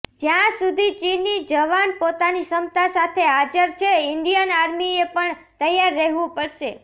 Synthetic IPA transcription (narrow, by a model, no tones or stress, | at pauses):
d͡ʒjãsud̪ʱit͡ʃinid͡ʒəʋanpot̪anisəmt̪asat̪ʰeɦad͡ʒəɾt͡ʃʰeɪɳɖijənaɾmiepəɳ | t̪əjaɾːəɦʋũpəɭʃe